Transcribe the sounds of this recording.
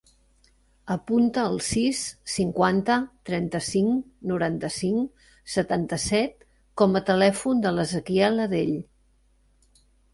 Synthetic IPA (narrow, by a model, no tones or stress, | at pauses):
əpunt̪əːlˠsisːiŋkwant̪ət̪ɾɛnt̪əsiŋnuɾant̪əsiŋ | sət̪ant̪əsɛt̪̚ | kɔmət̪əlɛfund̪ələzəkiɛləðeʎ